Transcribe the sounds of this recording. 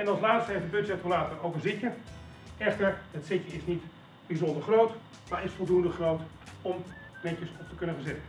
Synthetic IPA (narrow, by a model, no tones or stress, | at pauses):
ɛnɑlˠslaːtstəejfdəbøtsɛtoəlaːtərowvəzɪtjə | ɛxtərətsɪtjəɪsnit | b̥izɔndərχrowt | maɹɪsfɔlˠdundəχrowt | ɔmnɛtjəsɔftəkønəəzɪtə